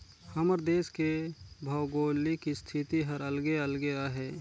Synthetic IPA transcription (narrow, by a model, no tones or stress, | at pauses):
həməɾd̪eːskebʱɐʊɡoːlikist̪ʰɪt̪iɦəɾəlɡeəlɡeaɦɛː